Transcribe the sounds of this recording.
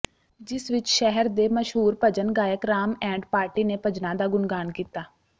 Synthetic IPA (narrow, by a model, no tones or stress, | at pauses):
d͡ʒɪsʋɪt͡ʃʃɛɦəɾd̪eːməʃɦuːɾpəd͡ʒənɡaːjəkɾaːmɛ̃ːɳɖpaːɾʈiːnepəd͡ʒnãd̪aːɡʊnɡaːnkiːt̪aː